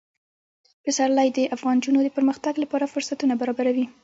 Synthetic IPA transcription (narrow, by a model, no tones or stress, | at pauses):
pɪsaɾlajd̪əʔafɣɑnd͡ʒunod̪əpəɾməxt̪aɡlapɑɾafʊɾsat̪unabaɾɑbaɾawi